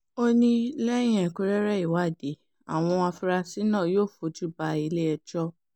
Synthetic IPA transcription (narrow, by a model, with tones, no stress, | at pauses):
o˦nĩ˧lɛ̃˦ĩ˦ɛ̃˨ku˧˦ɾɛ˦ɾɛ˦˨i˨wa˨˦˨de˨˦ | a̰˨w̃ɔ̃˧a˧fu˧ɾa˧si˦nãː˦˨joː˦˨fo˨˦d͡ʒu˦˨ba˧i˧le˦ɛ˧d͡ʒɔ˦